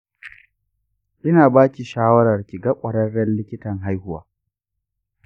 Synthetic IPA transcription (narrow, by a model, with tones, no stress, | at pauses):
ʔɪ˦naː˨baː˦kʲi˨ʃaː˦wɐ˦ɾɐ˨rkʲi˨ɡɐ˦kʷʼɐ˨ɽɐ˦rɽɛ˦nlɪ˦kʲɪ˦tɐ˨ŋɦa˦jhʊ˦wa̰ː˨